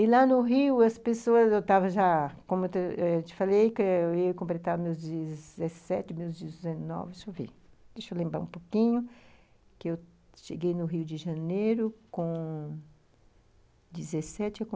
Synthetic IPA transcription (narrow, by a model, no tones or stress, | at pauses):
ɪlanʊɦiwɐspesoɐzewt̪avɐʒakõmʊt̪eɛt͡ʃɪ̥falejkɪeɐkõmplet̪avɐmewzd͡ʒizesɛt͡ʃɪmewzd͡ʒɪɪzenɔ̰vɪʃovḭd̪ejʃolẽmbɾa̰ɾũpokĩɲʊ | kɪew | ʃeɡejnʊɦiwd͡ʒɪʒɐ̃nejɾʊkõ | d͡ʒɪzesɛt͡ʃɪakõ